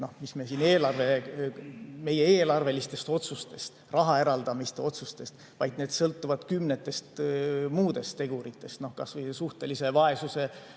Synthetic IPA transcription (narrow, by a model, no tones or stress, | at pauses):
no̞hmisme̞siːne̞ːlɑrve̞ | me̞je̞eːlɑrve̞list̪e̞st̪o̞t̪sust̪e̞st̪ | rɑɦɑe̞ɾɑld̪ɑmist̪eo̞t̪sust̪e̞st̪ | vɑjd̪̥ne̞ːd̪̥sɤlt̪ːˑuvɑd̪̥kymnet̪ːˑe̞st̪muːd̪̥e̞st̪t̪e̞ɡ̥uɾit̪ːˑe̞st̪no̞hkɑsvɤjsuht̪e̞lise̞vɑe̞suse̞